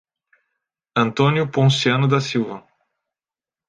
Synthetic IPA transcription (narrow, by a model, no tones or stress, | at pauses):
ɐ̃nt̪õnjʊpõsiɐ̃nʊd̪ɐsiwvɐ